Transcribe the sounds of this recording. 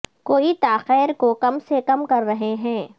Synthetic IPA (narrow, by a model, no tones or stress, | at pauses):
koːit̪aːxɛːɾkokɐmsekɐmkɐɾːɐɦeɦɛ̃ː